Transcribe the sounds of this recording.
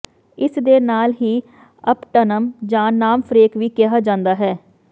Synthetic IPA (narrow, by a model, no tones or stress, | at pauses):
ɪsd̪eːnaːlɦiː | əpʈənəmd͡ʒãːnaːmfɾeːkʋiːkɪɦaːd͡ʒãːnd̪aːɦɛː